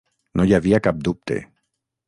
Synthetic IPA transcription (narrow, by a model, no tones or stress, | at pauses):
noʎaβiakap̚d̪up̚t̪ḛ